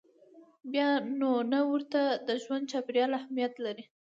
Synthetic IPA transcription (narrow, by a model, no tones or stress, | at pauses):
bjɑnonawəɾt̪ad̪əʒwand̪̚t͡ʃɑpɾjɑlahmijat̪laɾi